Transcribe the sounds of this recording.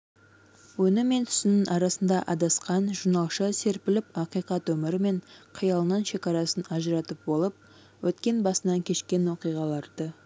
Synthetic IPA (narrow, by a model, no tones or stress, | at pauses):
wɵnɪmːe̞nt̪ʰʏ̥sɪnɪnʔɑɾɑsənd̪ɑʔɑd̪ɑsqɑnʒuɾnɑlˠʃəse̞ɾpɪlɪp̚ɑqijqɑt̪wɵmɪɾɪme̞ɴqʰəjɑlˠənɑnʃe̞kɑɾɑsənɑʒəɾɑt̪əp̚bo̞lˠəp̚ | wɵt̪kʲe̞nbɑsənɑŋkʲʰe̞ʃkʲe̞nwo̞qijʁɑlˠɑɾd̪̥ə